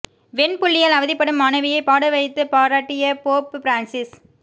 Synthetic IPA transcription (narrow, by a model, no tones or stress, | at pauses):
ʋɛnpʊɭːɪjɐlɐʋɐðɪpːɐɽɯmɐɳɐʋɪjɐɪpaːɽɐʋɐɪt̪ːɯpaːɾaːʈːɪjɐpoːppɪɾaːnsɪs